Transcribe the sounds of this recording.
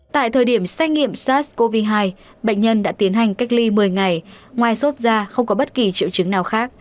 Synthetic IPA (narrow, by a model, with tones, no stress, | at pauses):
t̪a̰ː˧˨jt̪ʰəː˨˩jɗi˧˩əmsɛ˦˥jk̟̚ŋḭ˧˨əmsaː˦˥sko˧vi˧ɦaː˧j | ɓə̰˧˨ŋ̟ɲə˧nɗa̰ː˧˥t̪i˨˦ənɦa˨˩ŋ̟ka˦˥k̟̚li˧mɨ˨˩əjŋa˨˩j | ŋwaː˨˩jso˦˥t̚zaː˧xə˧wŋ͡mkɔ˨˦ɓə˦˥t̚ki˨˩t͡ɕḭ˧˨əwt͡ɕɨ˨˦ŋnaː˨˩wxaː˦˥k̚